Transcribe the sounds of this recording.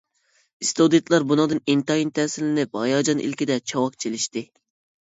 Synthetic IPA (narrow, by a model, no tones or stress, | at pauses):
ist̪od̪it̪lˠɑɾbunɨŋd̪ɨnint̪ɑint̪ʰɛːsɪlɪnɪp̚hɑjɑd͡ʒɑnʔḭlkʲid̪ɛt͡ʃʰɑwɑq̚t͡ʃʰelɪʃt̪ɪ